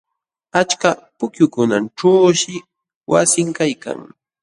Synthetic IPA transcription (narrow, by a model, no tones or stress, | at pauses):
at͡ʃkapʊkjʊkʊnanʈ͡ʂaːʃɪ | wa̰sɪŋkajka̰ŋ